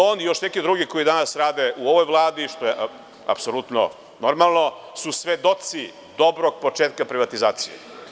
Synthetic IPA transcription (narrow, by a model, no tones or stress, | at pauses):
oːnijoʃnekid̪ɾuɡiko̞jid̪anasɾaːd̪eʔuoʋojʋvlˠaːd̪iʃt̪ojeʔ | a̰psolut̪no̰ | noɾmalˠno̞ | susʋed̪o̞t̪si | d̪o̞bɾoɡ̚po̞t͡ʃeːt̪kapɾiʋat̪izaːt̪sijḛ